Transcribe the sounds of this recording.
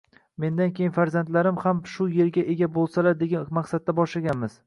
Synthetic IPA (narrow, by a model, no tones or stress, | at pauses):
me̞nd̪ankʲʰejɪnfaɾzant̪laɾɪmhamʃʊje̞ɾɡʲaʔe̞ɡʲabolˠsalaɾd̪e̞ɡʲamaqsad̪̚ːabɒʃlaɡʲanmɪz̥